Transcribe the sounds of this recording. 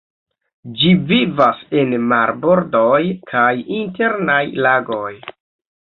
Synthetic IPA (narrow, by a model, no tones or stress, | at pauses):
d͡ʒivivase̞nmaɾbo̞ɾdo̞jkʰajinte̞ɾnajlaɡo̞j